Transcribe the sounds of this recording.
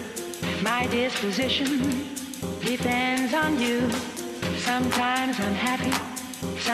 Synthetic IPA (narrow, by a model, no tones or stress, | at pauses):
maɪdɪspɨzɪʃɨ̃n | d̥ɪpʰɛ̃ndzn̩jʉ | sʌ̃mtʰãɪ̃mzãɪ̃mhæpi | sʌ